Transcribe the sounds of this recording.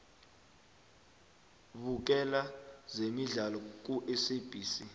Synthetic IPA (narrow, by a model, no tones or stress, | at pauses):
vuk̬ɛlazemiɮalɔk̬uʔɛseb̥ʱiːsi